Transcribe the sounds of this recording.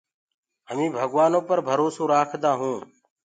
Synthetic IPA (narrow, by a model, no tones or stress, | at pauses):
ɦəmĩːbʱəɡʋaːnõːpəɾbʱəɾoːsõːɾaːkʰd̪aːɦũː